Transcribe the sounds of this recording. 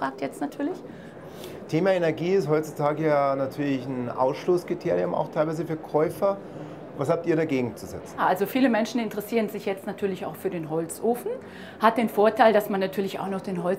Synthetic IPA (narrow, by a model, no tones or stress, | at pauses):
ʁaːk̚tjɛt͡stnatʰyːɐlɪç | tʰeːmaːenɛɐɡiːɪsthɔʏtt͡sutʰaːɡəjanatʰyːɐlɪçn̩ʔa̰ʊsʃloːskʁ̥itʰeːʁjʊma̰ʊxtʰaɪlvaɪzəfyːɐkʰɔʏfɐ | vashap̚tiːɐɾaɡeːɡŋ̩t͡suzɛ̰t͡sn̩ʔalzofiːləmɛnʃn̩ɪntəʁɛsiːʁənzɪçjɛt͡stnatʰyːɐlɪça̰ʊxfyːɐɾeːnɦɔlt͡sʔoːfn̩ | hat̚d̥eːnfoːɐtʰaɪldasmanːatʰyːɐlɪça̰ʊxnɔχd̥eːnɦɔ